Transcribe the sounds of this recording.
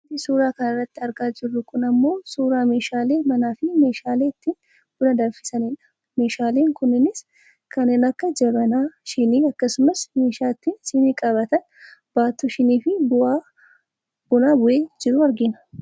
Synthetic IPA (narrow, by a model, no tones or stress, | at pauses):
ɐnt̪ɪsuːɾaːkɐnɐrːɐt̪ːɪɐɾɡaːd͡ʒɪrːʊkʊnɐmːo̞ːsuːɾaːme̞ːʃaːle̞ːmɐnaːfɪme̞ːʃaːle̞ːɪt̪ːiːn | b̥ʊlɐd̪ɐɾfɪ̥sɐnɪᶑɐ̥ | me̞ːʃaːle̞ːŋkʊnːɪnɪs | kɐneːnɐkːɐd͡ʒɛbɐnaːʃɪniːɐkːɐsʊmɐsme̞ːʃaːt̪ːiːnsɪniːkʼɐβɐt̪ɐn | b̥aːt̪uʃɪniːfɪbʊa | b̥ʊnaːbʊʔeːd͡ʒɪɾʊɐɾɡɪnɐ